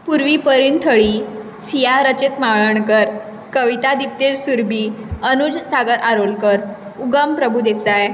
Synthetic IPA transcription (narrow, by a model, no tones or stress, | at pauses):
puɾʋiːpəɾiːɳt̪ʰəɭiː | sijaɾət͡ɕet̪maɭəɳkəɾ | kəʋit̪ad̪ip̚t̪elsuɾbʱiːənud͡zsaɡəɾʔaɾolkəɾ | uɡəmpɾəbʱud̪esaj